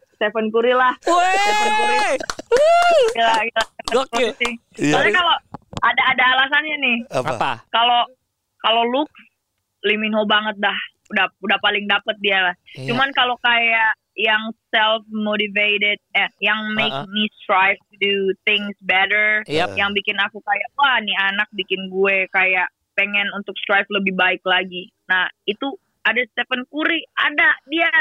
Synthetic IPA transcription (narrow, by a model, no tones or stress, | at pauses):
st̪ɛfənkuɾilahɛfəɛnkuɾi | ilaɡlaəŋəsɪasikaloadaːdaːlas̬anɲanɪhaakalo | kalolʊks | liminɦobaŋət̪̚lah | udaudahpalɪŋdapət̪̚dialaht͡ʃumankalokajaʔ | jaŋsɛlfmoɾiveɾɪd̚ɛnjaŋmek̚nist̪ɾajftudut̪ɪŋsbɛɾəɹjaŋbikɪnakukajaʔwahnianak̚bikɪnɡuekajaʔ | peŋɛnunt̪ʊkst̪ɾajfləbɪhbaɪklaɡi | nahit̪u | adast̪ɛfənkuɾiadadia